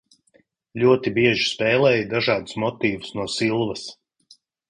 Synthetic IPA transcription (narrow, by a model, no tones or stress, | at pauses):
lʲuɔt̪ibiɛʒi̥spɛːlˠɛːjid̪aʒaːd̪u̥smɔt̪iːvusnuɔsilˠvɐs